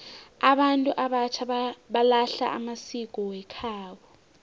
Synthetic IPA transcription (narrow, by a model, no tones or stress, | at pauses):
aɓantʼuʔaɓat͡ʃʰaɓalaɬa̰ʔa̰masik̬ʼɔwɛkʰaːwɔ